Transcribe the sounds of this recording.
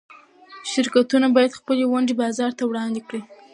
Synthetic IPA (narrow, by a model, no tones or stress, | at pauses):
ʃɪɾkat̪unabɑjad̪xpəlewaɳɖebɑzɑɾt̪awɽɑnd̪ekɽi